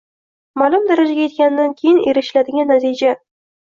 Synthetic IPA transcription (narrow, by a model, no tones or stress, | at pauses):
malʊmd̪aɾad͡ʒaɡʲajt̪̚kʲanɪd̪ankʲʰejɪneɾɪʃlad̪ɪɡʲanːat̪ʰid͡ʒa